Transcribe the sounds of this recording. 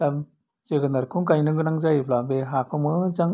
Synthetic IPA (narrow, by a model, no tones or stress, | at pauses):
am | zeɡɯnaɾkʰuŋkajnɯŋɡɯnaŋzajblabeɦakʰɯmɯzaŋ